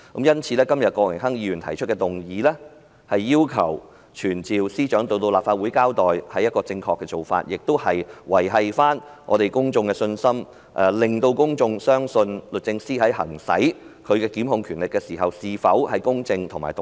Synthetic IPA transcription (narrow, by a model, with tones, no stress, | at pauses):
ko˨˥mjɐ˥nt͡sʰiː˨˧lɛː˥kɐ˥mjɐ˨t̚kɔː˧wɪ˨˩ŋɦɐ˥ŋjiː˨˧ɥyː˨˩nt̪ʰɐ˨˩jt͡ʃʰɵ˥t̚kɛː˧t̪ʊ˨ŋjiː˨˧lɛː˥ | hɐ˨jːiː˥wkʰɐ˨˩w | t͡ʃʰyː˨˩nt͡siː˨wsiː˥t͡ʃœː˨˥ŋt̪o˧wt̪o˧wlaː˨pfaː˧t̚wuː˨˥jkaː˥wt̪ɔː˨jhɐ˨˥jɐ˥t̚kɔː˧t͡sɪ˧ŋkʰɔː˧kːɛː˧t͡so˨wfa̰ː˧t̚jɪ˨k̚t̪o˥whɐ˨jwɐ˨˩jɦɐ˨jfaː˥n | ŋʔɔ̰ː˨˧t̪e˨jkʊ˥ŋt͡sʊ˧ŋkɛ˧sɵ˧nsɐ˥m | ʔɛː˨˩lɪ˨ŋt̪o˧wkʊ˥ŋt͡sʊ˧ŋsœː˥ŋsɵ˧nlɵ˨t̚t͡sɪ˧ŋsiː˥ɦɐ˨˥jhɐ̰˨˩ŋsɐ̰˨˥jkʰɵ˨˧ɥkɛː˧kiː˨˥mhʊ˧ŋkʰyː˨˩nlɪ˨kːɛː˧siː˨˩ɦɐ˨wsiː˨fɐ˨˥whɐ˨jkʊ˥ŋt͡sɪ˧ŋt̪ʰʊ˨˩maː˨˩jt̪